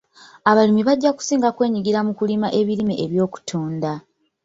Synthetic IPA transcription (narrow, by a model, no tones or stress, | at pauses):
aβalimiβaɟːaku̥siːŋɡakwe̞ːɲiɡiɾamukulimaʔe̞βiɾimeʔeβjo̞ːku̥tʰuːnda